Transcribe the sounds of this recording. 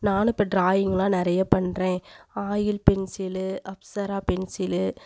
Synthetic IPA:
naːnɯpːɐɖɾaːjɪŋɡɐlãːnɪɾɐjɐpɐɳɾẽːaːjɪlpɛnsɪlʔɐpsɐɾaːpɛnsɪlɯ

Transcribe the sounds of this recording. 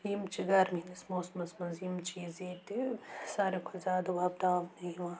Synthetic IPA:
imt͡ʃiɡɐɾminɐsmoːsmɐsmɐnzimt͡ʃizet̪isaɾikʰɐzaːd̪ubʱɐb̚d̪aːmniʋaː

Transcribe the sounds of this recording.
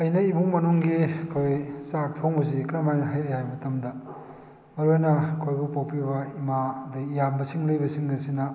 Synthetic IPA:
ɐjnɐibuŋmɐnuŋɡiɐkʰojsak̚tʰawŋbɐz̬ikɾɐmajnɐɦajɾejhajmɐtɐmdɐ | mɐɾuajnɐkʰojbupawpʰibɐimadɐjambɐsiŋlɐjbɐsiŋɡɐsinɐ

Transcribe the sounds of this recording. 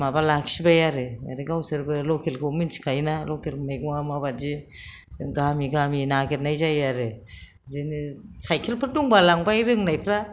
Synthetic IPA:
mabalaksibajaɾɯja̰ɾiɡawsɯɾbɯlokʰelkʰominsi̥kʰajnalokʰelmek̚amabazi | sɯŋɡamiɡaminaɡet̚najzajaɾɯ | zenisajkʰelpʰɯɾduŋbalaŋbajɾɯŋnajpʰɾa

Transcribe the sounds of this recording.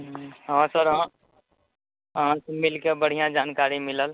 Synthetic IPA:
ɦãsəɾɦã | ɦãsmɪlkebəɽ̤ijãd͡ʒaːnkaːɾimɪləl

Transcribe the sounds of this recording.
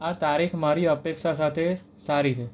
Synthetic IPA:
at̪aɾikʰmaɾiəpekʃas̬at̪ʰe | saɾit͡ʃʰe

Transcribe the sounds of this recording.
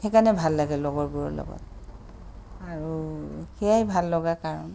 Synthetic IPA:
xɛkanɛbʱalːaɡɛlɔɡɔɹbuɹɔ̰lɔ̰ɡɔ̰t̚ | aɹuxɛjajbʱalːɔɡakaɹɔn

